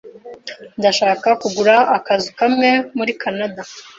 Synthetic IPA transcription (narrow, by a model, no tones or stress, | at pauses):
ndaʃaːkakuɡuɾaːkazikamŋe̞muɾikʰanada